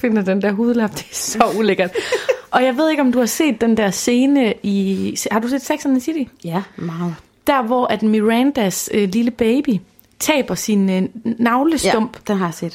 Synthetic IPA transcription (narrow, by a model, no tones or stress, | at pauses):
fe̝n̰ɐd̥end̥æɐ̰ɦuːðˠəlɑ̈b̥d̥esɒ̽uleɡ̥ɐd̥ʔɒ̽jɑ̈ɪʋe̝ð̞̰ˠeɡ̥ɒ̽md̥uhɑ̈se̝̰ːd̥ːend̥æɐ̰se̝ːnəishɑ̈ɾuse̝̰ːd̥seɡ̥sɒnensidiɑ | d̥æɐʋɒʔæd̥miʁænd̥æsøliləb̥eɪb̥i | t͡sʰɛ̰ːb̥ɐsinːɑ̈ʊləsɔ̽m̰b̥d̥enɦɑjsḛːd̥